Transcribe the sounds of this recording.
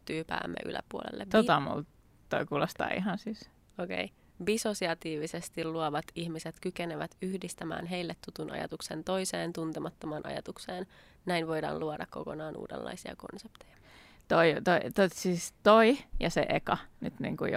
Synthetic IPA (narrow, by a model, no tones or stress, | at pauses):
t̪yːpæ̰ːmːḛʔy̰læ̰puo̰lḛlːet̪oɑmṵlt̪ | t̪oikuːlost̪ɑ̰ːḭɦɑnsiːs | oke̞̰j | bisosiɑt̪iːʋisest̪illuɑʋɑt̪içmiset̪kykeneʋæt̪yhdist̪æmæ̰ːnɦeilːet̪ːut̪unʔɑ̰jɑ̰t̪uksent̪o̞iseːnt̪unt̪emɑt̪ːomɑːnʔɑ̰jɑt̪ukseːn | næinʋo̞jdɑ̰ːluɑdɑkkːo̞̰konɑːnṵːdḛlːɑ̰isiɑ̰ko̞̰nsept̪ejɑ̥ | t̪oit̪oit̪osiːst̪oijɑsḛʔekɑnyt̪nḭːŋkuj